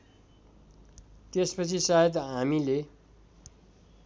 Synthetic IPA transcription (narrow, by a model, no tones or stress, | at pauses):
t̪espʌt͡sʰisajet̪ɦamile